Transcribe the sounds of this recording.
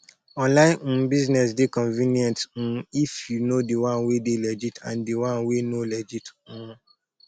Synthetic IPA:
ɔ̃nlaɪ̃biznɛs̬dɪkʰɔ̃nvinjɛ̃ntn̩ifunodɪwãnwedɪlɛd͡ʒitʰã̰ndɪwãnwenolɛd͡ʒitnũ

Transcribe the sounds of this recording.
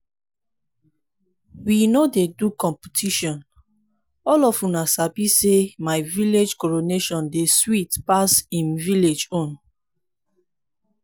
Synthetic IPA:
winodedukɔ̃mpitʰiʃɔ̃n | ɔlɔfũnasabisemaɪviled͡ʒkɔɹoneʃɔ̃ndeswitpasĩnviled͡ʒõn

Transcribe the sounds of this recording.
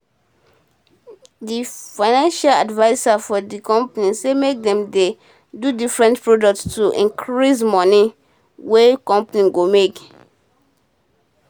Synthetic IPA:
difaɪnãnʃaladvaɪsafɔdikɔ̃mpanisemek̚dɛ̃mde | dudifɹɛ̃ntpɹodɔk̚tstuʔḭ̃ŋkʰɹis̬mɔni | wekɔ̃mpaniɡomek

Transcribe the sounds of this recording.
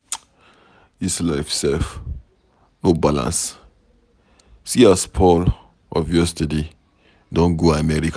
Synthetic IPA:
islaɪfsɛlf | nobalã̰ns | siaspʰɔl | ɔ̰vjɛstəde | dɔ̃nɡoamɛɹika

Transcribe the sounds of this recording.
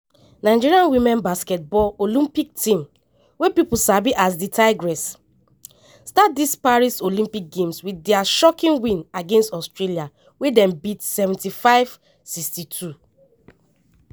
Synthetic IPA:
naɪd͡ʒiɹiãnwimɛ̃nbaskɛt̚bɔlolĩmpik̚tĩm | wepipusabiʔasditʰaɪɡɹɛs | stat̚dispaɹisolĩmpik̚ɡẽmswidɛaʃɔkĩnwĩnaɡẽnstɔstɹelia | wedɛ̃mbitsɛvɛ̃ntifaɪv̥ | sikstitʰu

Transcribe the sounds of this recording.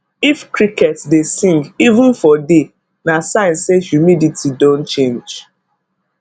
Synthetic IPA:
ifkɾikɛtsdesĩŋɡivə̃n̩fɔde | nasãɪ̃nssehjumiditʰidõntt͡ʃẽnd͡ʒ

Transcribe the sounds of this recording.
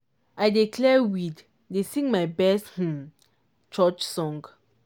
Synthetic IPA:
ajdikʰlɛwid | desĩŋɡmajbɛsth̩ | t͡ʃɔt͡ʃsɔ̃ŋɡ

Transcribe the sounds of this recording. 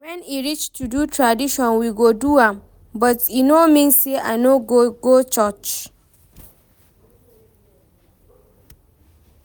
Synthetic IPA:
wɛ̃niɹit͡ʃtʰudutʰɹadiʃɔ̃nwiɡoduãm | bʌtinomĩnseʔa̰noɡoɡot͡ʃɔt͡ʃ

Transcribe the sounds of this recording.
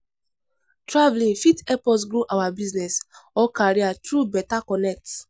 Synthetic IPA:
tɾavlĩŋfitɛpɔs̬ɡɾuʔawabiznɛsɔkaɾiatɾubɛtakɔnɛk̚t

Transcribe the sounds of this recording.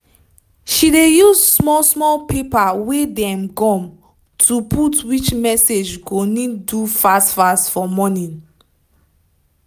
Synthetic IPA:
ʃidejuzsmɔsmɔlpepawedɛ̃mkɔ̃m | tʰuputwit͡ʃmɛsed͡ʒɡonidufastfastfɔmɔnĩn

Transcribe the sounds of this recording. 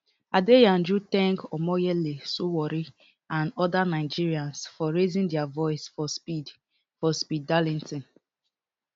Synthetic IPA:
adejãnd͡ʒutɛ̃ŋkɔmɔjɛlesuwɔɾi | ãnɔdanaɪd͡ʒiɹiãnsfɔɹezĩndɛavɔɪsfɔspid | fɔspidːalĩntĩn

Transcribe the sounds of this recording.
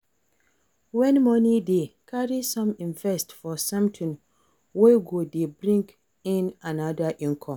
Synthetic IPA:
wɛ̃nmɔ̃nĩdekʰaɹisɔ̃mĩnvɛstfɔsãmtʰɪ̃n | weɡodebɾĩŋk | ĩnãnadaʔĩŋkʰɔ̃m

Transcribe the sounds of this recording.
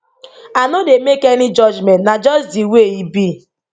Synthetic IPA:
anodemekenɪd͡ʒɔd͡ʒmɛ̃ntnad͡ʒɔsdiweibi

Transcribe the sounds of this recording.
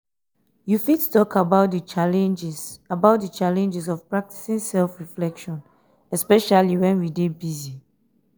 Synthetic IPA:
jufittɔkʰabaʊt̚dət͡ʃalɛ̃nd͡ʒsabaʊt̚dət͡ʃalɛ̃nd͡ʒɛsɔvpɹak̚ti̥sĩnsɛlfɹiflɛkʃɔ̃n | ɛspɛʃaliwɛ̃nwidebizi

